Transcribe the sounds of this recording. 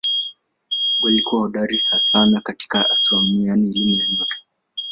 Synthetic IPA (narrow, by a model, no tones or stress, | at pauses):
ɡwalikuaɗaɾihasanakati̥kaa̰sɔmianiːlimɛjaɲɔtɔ̥